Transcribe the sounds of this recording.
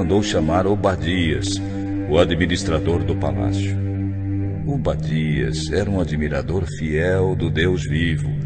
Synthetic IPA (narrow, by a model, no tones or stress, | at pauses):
nd̪owʃamaɾʊbad͡ʒiɐ̰s | ʊad͡ʒminist̪ɾad̪oɾd̪ʊpala̰sjʊ | ʊbad͡ʒiɐ̰zɛɾɐũad͡ʒimiɾa̰d̪oɾfiɛwd̪ʊd̪ewzvivʊ